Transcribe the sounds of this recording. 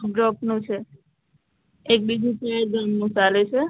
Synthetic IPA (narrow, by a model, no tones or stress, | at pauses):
ɖɾɔpnũt͡ʃʰe | ek̚bid͡ʒũpaɾɡamːũt͡ʃalet͡ʃʰe